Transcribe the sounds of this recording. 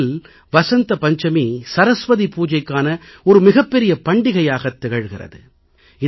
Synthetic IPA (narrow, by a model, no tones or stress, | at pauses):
l | ʋɐsɐnt̪ɐpɐɲd͡ʒɐmisɐɾɐsʋɐðipuːd͡ʒɐɪkːaːnɐɔɾɯmɪɣɐpːɛɾɪjɐpɐɳɖɪɣɐjaːɣɐt̪ːɪɣɐɻɣɪrɐ̰ðɯ | ɪ